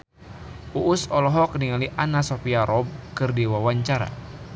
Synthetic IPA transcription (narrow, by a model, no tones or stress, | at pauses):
uʔːsɔlɔɦɔk̚niŋaliʔanasopiaɾɔb̚kɨrdiwawaɲt͡ʃaɾa̰